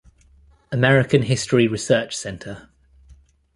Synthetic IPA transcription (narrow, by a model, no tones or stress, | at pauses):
əmɛɹɪkə̃nɦɪstɹiɹɪsɜˑt͡ʃsɛ̃ntʰə